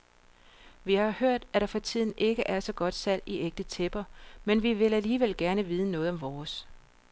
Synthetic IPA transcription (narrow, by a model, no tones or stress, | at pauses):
ʋihɑ̈høɐ̰d̥æɾ̥ɑ̈fɒ̽t͡sʰið̞̰ˠn̩ʔe̝ɡ̥əʔæɐsɒ̽ɡ̥ɒ̽d̥sæl̰iʔeɡ̥̚d̥ət͡sʰeb̥ɐmenʋiʋe̝læliːʋel̰ɡ̥æɐnəʋiːð̞ˠənɔ̽ːðˠɒ̽mʋɒːs